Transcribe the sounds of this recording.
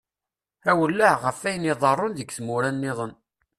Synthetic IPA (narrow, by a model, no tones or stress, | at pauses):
æwəlːəʕʁəfæjəniðˤɑrˤːʊnðəɡθmʊɾænːɪðˤən